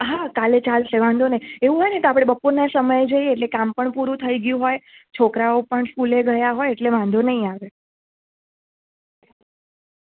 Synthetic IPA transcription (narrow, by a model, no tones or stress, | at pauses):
ɦakalet͡ʃalʃeʋãnd̪ʱoneieʋũɦojneit̪oapɽ̃ebəpoɾnasəməjd͡ʒəjeːʈlekampəɳpuɾũt̪ʰəiɡjũɦojt͡ʃʰokɾaopəɳskuleɡəjaɦojeʈleʋãnd̪ʱonəɦĩaʋe